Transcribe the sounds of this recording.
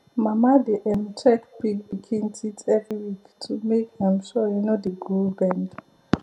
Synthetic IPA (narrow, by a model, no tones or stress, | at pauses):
mamadiʔɛmtʰɛkpikbikʰĩntʰitʰɛvɹiwiktʰumekhɛ̃mʃɔjunodəɡulbɛ̃nd